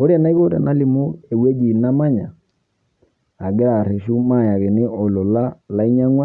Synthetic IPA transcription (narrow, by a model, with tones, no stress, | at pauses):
o˦ɾa˨na˦i˦ɣo˦ɾɛ̰˨na˦li˨mo˦e˨we˦d͡ʒi˨na˦ma˦ɲa˨ | a˨ɡe˦ɾa˨ɾɛ˨ʃu˦ma˦˨ja˨ɣe˨ne˦ɔ˨lo˨la˦la˦i˦ɲa˦ŋwa˦